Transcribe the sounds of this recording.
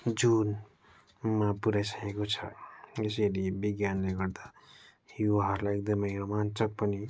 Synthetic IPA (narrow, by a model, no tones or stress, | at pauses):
d͡zun | mapuɾajsʌkekot͡sʰʌ̰ʌs̬eɾibiɡjanleɡʌɾd̪a | huwaɦʌɾlajek̚d̪ʌmeɾomant͡sʌk̚pʌni